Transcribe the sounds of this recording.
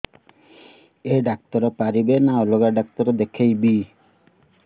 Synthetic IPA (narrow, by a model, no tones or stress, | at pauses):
eɖak̚t̪ɔɾɔpaɾibenaɔloɡaɖak̚t̪ɔɾɔd̪ekʰejbi